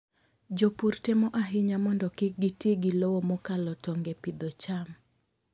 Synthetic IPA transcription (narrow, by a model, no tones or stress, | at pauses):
d͡ʒopurtemɔʔaɦɪɲamɔndɔkɪk̚ɡɪtjeɡɪlowomɔkalɔtɔŋɡepid̪ɔt͡ʃam